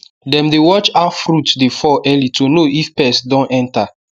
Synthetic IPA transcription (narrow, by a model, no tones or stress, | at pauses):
dɛ̃mdewɔt͡ʃafɾutdefɔʔɛlitʰonoʔifpɛsdɔ̃nʔɛ̃nta